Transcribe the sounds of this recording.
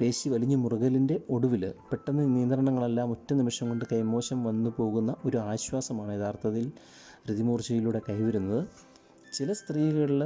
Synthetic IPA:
pe̞ːɕiʋɐliɲːumuruɣɐlinde̞o̞ɽuʋilpeʈːɐnːɐnijɐnd̪rɐɳɐŋːɐɭelːaːmo̞tːɐnimɐʂɐŋko̞ɳɖɨkɐjmo̞ːɕɐmʋɐnːupo̞ːɣunːɐʔo̞ɾuaːɕwaːsɐmaːɳɨeðaːrt̪ʰɐðil | ɾiðimuːrɕɐjiluɽe̞kɐjʋɐɾunːɐðɨ | t͡ɕilɐst̪riːɣɐɭiɭ

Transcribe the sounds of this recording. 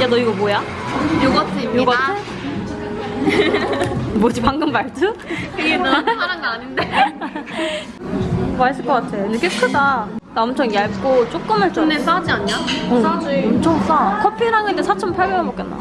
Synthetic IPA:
d͡ʑanʌiɡʌboja | joɡatʰejoɡae | bod͡ʑipaŋɡɯmbaɭdʰɯkɯɡemaɾanɡʌaɲinde | bas͈ɯɭk͈ʌk͈atʰejonek͈ekʰɯdadaʌmt͡ɕʰʌŋjaɭk͈ot͡ɕ͈ok̚k͈ɯmɯɭt͡ɕ͈ʰones͈ad͡ʑiaɲɲaoad͡ʑiʌmt͡ɕʰʌŋs͈akʰʌpʰiɾaŋɯndesʰat͡ɕʰʌmpʰaɭbeɾʌbʌk͈enːa̰

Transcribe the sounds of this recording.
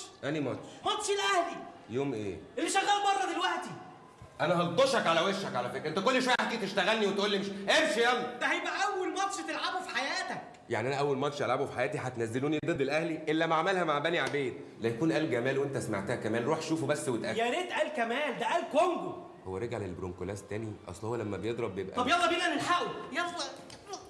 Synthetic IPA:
ʔænimɑt̪ʃmɑt̪ʃelʔæhlijoːmʔḛːʔelːiʃæɣælmɑrˤːɑd̪elwæʔt̪i | ʔænæhɑld̪ˤoʃɑkʕalæweʃːækʕalæfekɾʔent̪ækolːeʃwæjʔæħd̪it̪eʃt̪æɣælniwet̪ʔuːlːimeʃʔeɾʃijælːd̪æhæjebʔæʔæwːelmɑt̪ʃt̪elʕabofi̥ħajæːt̪æk | jaʕniʔænæʔæwːælmɑt̪ʃt̪elʕabufi̥ħajæːt̪iħæt̪næzːeluːnid̪ed̪ːelʔæhliʔelːæmæʕamælhæmaʕbæniʕabeːd̪læjækuːnʔæːlɡæmæːlwent̪æsma̰ʕt̪æhækæmæːnɾuːħʃuːfubæsːwet̪ʔæjæɾet̪ʔæːlkæmæːld̪æʔæːlkoŋɡo | howːæɾˤeɡʕlelbɾoŋkolæːst̪æːniʔɑ̰sˤlhowːælæmːæbejed̪ˤɾˤɑbːjebʔæ̰ɑbjɑlˤːɑbiːlænelħæʔujæxwæ

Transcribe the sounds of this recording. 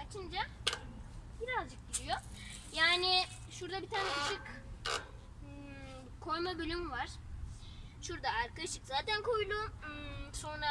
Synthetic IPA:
at͡ʃʰɯnd͡ʒa | biɾazd͡ʒɯk̚ɟiɾijo̞ | jaːni | ʃuɾd̪abit̪ʰaːnɛɯʃɯk | kʰo̞jmabølʲymvaɾ̥ | ʃuɾd̪aaɾkaʃɯkzaːt̪ʰænkʰojlˠu | so̞nɾa

